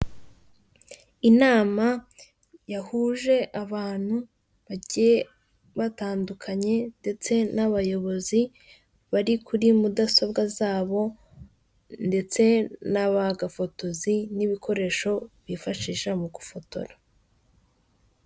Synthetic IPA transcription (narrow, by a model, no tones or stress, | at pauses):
inaːma | jahuːʒe̞ʔaβaːn̥hu | βaɟije | βataːndukʰaɲe̞nde̞t͡se̞naβajo̞βo̞zi | βaɾikuɾimudaso̞bɡazaːβo̞ | nde̞t͡se̞naβaɡafo̞to̞ziniβikʰo̞ɾe̞ːʃo̞βifaʃiːʃamuɡufo̞to̞̰ɾa